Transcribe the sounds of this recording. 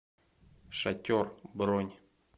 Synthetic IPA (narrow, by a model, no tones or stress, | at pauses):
ʃatʲorbɾonʲ